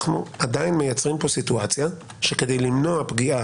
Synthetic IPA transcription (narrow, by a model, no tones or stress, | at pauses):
χnuadainmejat͡sʁimpo̞situat͡sja | ʃe̞ke̞de̞jlimno̞apɡia